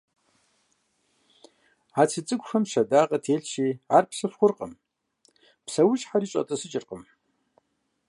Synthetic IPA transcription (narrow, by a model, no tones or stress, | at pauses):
at͡sʰɨt͡sʼɨkʷʼʂɐmʃɐdaːqʼɐtʰeːɮʃiːaːrpʰsɨfχʷʊrqʼə̰m | pʰsɐwʊɕħaɾiːɕʼɐ̰tʼɐsɨt͡ʃʼɪrqʼəm